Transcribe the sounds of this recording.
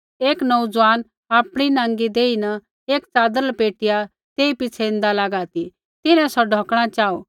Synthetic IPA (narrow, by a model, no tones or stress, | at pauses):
eːknɐud͡zʋaːn | aːpɽ̃inãːŋɡid̪eːinɐ | eːkt͡saːd̪əɾlpeːʈɪja | t̪eːipɪt͡sʰɛɪ̃nd̪alaːɡaːt̪i | t̪ɪnɛ̃sɔɖʱɔːkɽ̃at͡ʃaːo